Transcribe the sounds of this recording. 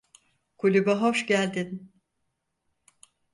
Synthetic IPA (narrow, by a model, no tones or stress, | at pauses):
kʰulʲubaɦoʃɟælʲd̪in